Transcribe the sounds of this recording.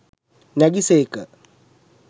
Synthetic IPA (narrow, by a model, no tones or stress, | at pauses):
naɡisekə